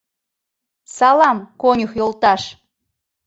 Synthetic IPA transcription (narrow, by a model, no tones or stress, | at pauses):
sɑlɑmkonʲəxjolt̪ɑʃ